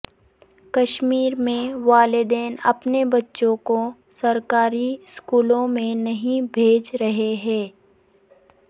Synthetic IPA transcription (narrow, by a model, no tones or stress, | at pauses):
kɐʃmiːɾmẽʋaːlɪd̪eːnɐ̰pnebɐtːʃõko | sɐɾkaːɾiskuːlõmẽnɐɦĩbʱeːd͡ʒɾɐɦeɦɛ̃ː